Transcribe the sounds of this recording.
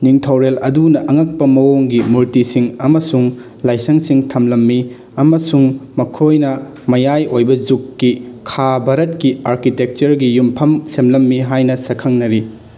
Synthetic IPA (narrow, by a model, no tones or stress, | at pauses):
niŋtʰowɾelɐdunɐʔɐŋɐk̚pɐmɐwoŋɡimuɾtisiŋɐmɐsuŋ | lajsɐŋsiŋtʰɐmlɐmːi | ɐmɐsuŋmɐkʰojnɐ | mɐjajojbɐzukːikʰabʱɐɾɐtkiaɾkitek̚t͡ʃɐɾɡijumpʰɐmsemlɐmːiɦajnɐsɐkʰɐŋnɐɾi